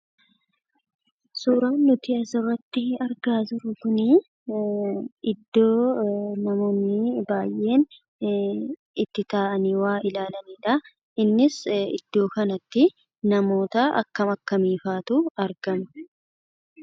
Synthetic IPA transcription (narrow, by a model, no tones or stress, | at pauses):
suːɾaːnːʊt̪iɐsɐrːɐt̪ːɪɐɾɡaːzʊɾʊkʊni | ɪd̪ːo̞ːnɐmo̞ːnːɪbaːjʔe̞ːn | ɪt̪ːɪt̪aːʔɐniːwaːɪlaːlɐniːᶑɐ | ɪnːɪsɪ̰d̪̥ːo̞ːkɐnɐt̪ːɪ | nɐmo̞ːt̪ɐʔɐ̰kːɐmɐkːɐmiːfaːt̪ʊɐɾɡɐmɐ